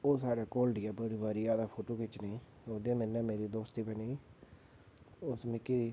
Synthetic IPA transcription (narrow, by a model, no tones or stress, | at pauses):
oːsaːɾeːkoːlɖɪjaːbəɽiʋəɾijaːd̪aːpʰoːʈoːkɪt͡ʃnẽː | oːd̪ẽːmɪnːɛ̃ːmeːɾiːd̪oːst̪iːpɛniː | ʊsmẽːki